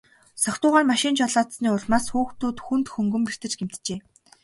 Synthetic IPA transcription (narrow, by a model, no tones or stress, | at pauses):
sɔkt̪ʊːʁaːrmaʃɪ̆ːnt͡ɕɔɮaːt̪sniːʊɮmaːsxuːxt̪uːt̪xunt̪xɵŋɡɵ̆mpir̥t̪ɘ̆t͡ɕɡem̥t̪t͡ɕeː